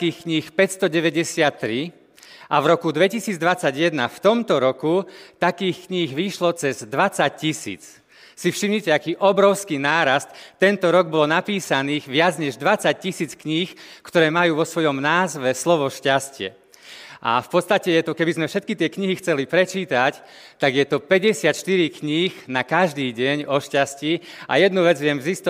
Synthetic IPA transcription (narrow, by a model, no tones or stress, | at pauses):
kiːxkɲiːxpɛcst̪ɔɟɛʋɛɟɛsɪat̪ːɾi | ʔavɾɔkud̪ʋɛcisiːd͡zd̪ʋat͡saɟjɛd̪naft̪ɔmt̪ɔɾɔkut̪akiːxkɲiːɣʋiʃlɔt͡sɛzd̪ʋat͡sac̚cisḭːt͡s | sifʃimɲicɛakiːʔɔbɾɔʊskiːnaːɾast̪t̪ːɛnt̪ɔɾɔɡbɔlnapiːsaniːɣʋɪad͡zɲɛʒd̪ʋat͡sac̚cisiːt͡skɲiːxkt̪ɔɾɛːmajuːʋɔsʋɔjɔmnaːzʋɛslɔʋɔʃcascɪɛ̰ | ʔa̰fpɔt̪st̪acɛjɛt̪ɔkɛbizmɛfʃɛt̪̚kit̪ɪɛkɲiɦixt͡sɛlipɾɛt͡ʃiːt̪ac | t̪aɡjɛt̪ɔpɛɟɛsɪat̪ʃt̪iɾikɲiːxnakaʒd̪iːɟɛɲɔʃcascia̰jɛd̪nuʋɛd͡zʋɪɛmzist̪